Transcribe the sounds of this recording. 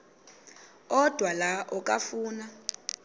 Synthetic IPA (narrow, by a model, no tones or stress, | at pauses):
ɔd̥ʱwalaʔɔkʼafuːna